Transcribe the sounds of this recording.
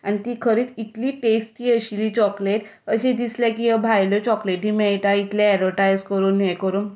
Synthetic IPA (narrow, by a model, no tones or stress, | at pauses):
anit̪iːkʰəɾiːt͡sit̪liːʈesʈiːəɕilit͡ɕɔkleʈ | əɕed̪islakijebʱajlɔt͡ɕɔkleʈɦiːmɛɭʈait̪leɛɾoʈajzkəɾuːnekəɾuːn